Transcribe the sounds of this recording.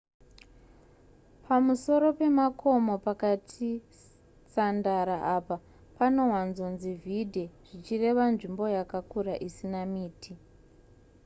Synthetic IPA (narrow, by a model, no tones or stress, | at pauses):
pʰamuso̞ɾo̞pe̞makʰo̞mo̞pakatʰi | sandaɾaʔapa | pano̞ɦwanzo̞nzivʱidʱeʐ̥it͡ʃire̞ʋanʐimbo̞jakakuɾaʔisinamiːtʰi